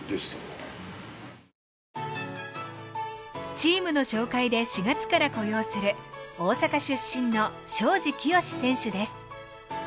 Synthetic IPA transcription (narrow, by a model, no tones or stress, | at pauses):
d̪es | t͡ɕiːmɯ̟no̞ɕo̞ːkaid̪e̞ɕiɡat͡sɨ̥kaɾako̞jo̞ːsɨɾɯ̟o̞ːsakaɕɨɕːĩnːo̞ɕo̞ːʑikʲijo̞ɕi̥sẽ̞ɰ̃ɕɨd̪e̞sɨ̥